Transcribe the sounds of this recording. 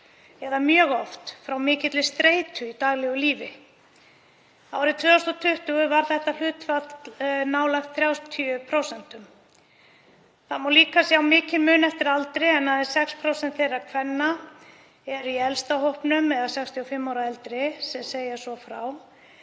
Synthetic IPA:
ɛðamjœːɣɔft̪fɾawmɪːcɪt̪lɪst̪ɾeːjt̪ʏit̪aːɣlɛɣʏliːvɪ | a̰wɾɪt̪ʰvœːast̪ɔt̪ʰʏht̪ʏɣʏvaɾ̥θɛht̪alʏːt̪fat̪naːwlajxt̪θɾjaːwst̪ʰiʏpʰɾowsɛn̥t̪ʏm | θaðmawliːkasjawmɪːcɪlmʏːnɛft̪ɪɾalt̪ɾɪɛnhaðɛ̥sɛkspʰɾowsɛnt̪θejrːaɾkʰvɛnːa | ɛɾiɛlst̪ahowhpnʏmɛðasɛkst̪ʰiɔfɪmːawɾaɛlt̪ɾɪsɛmseːjasɔfɾa̰w

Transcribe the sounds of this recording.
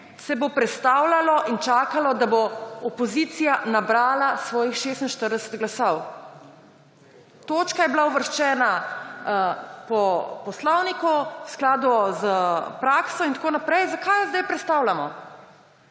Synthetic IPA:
sɛbopɾɛt̪st̪awlalɔʔint͡ʃaːkalɔd̪aboɔpɔziːt̪sijanabɾaːlasʋɔːjixʃeːst̪nʃt̪əɾd̪ɛsə̥t̪ɡlasɔw | t̪oːt͡ʃkajɛblauʋəɾʃt͡ʃɛːna | pɔpɔslɔwnikuwsklaːd̪uzəpɾaksɔint̪akoːnapɾɛjzakajzd̪ajpɾɛt̪st̪awlamɔ

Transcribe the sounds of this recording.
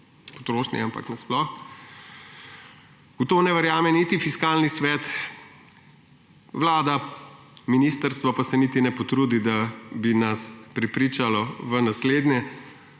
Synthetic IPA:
po̥t̪ɾoːʃnḭampa̰knɛsplɔx | ɡ̥ot̪oːnɛʋəɾjaːmɛnit̪ifiskaːlnisʋɛːt̪ | ʋlaːd̪a | minist̪əɾst̪ʋɔpasɛnit̪inɛpɔt̪ɾuːd̪id̪abinaspɾɛpɾit͡ʃalɔʋənasleːd̪njɛ

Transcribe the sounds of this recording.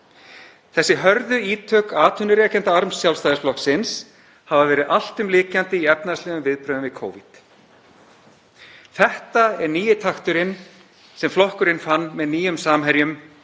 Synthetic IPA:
θɛsːɪɦœɾðʏiːt̪ʰœːkaːt̪ʰʏnːʏɾɛːcɛnt̪aaɾmsːjawlst̪ajðɪsflɔksɪns | havavɛːɾɪðʔal̥t̪ʏmlɪːcant̪ɪiɛpnast̪lɛːɣʏmvɪðpɾœːðʏmvɪkʰoːwvit̪ | θɛht̪aɛɾniːjɪt̪ʰaxt̪ʏɾɪn | sɛmflɔhkʏɾɪnfanːmɛðniːjʏmsaːmɦɛɾjʏm

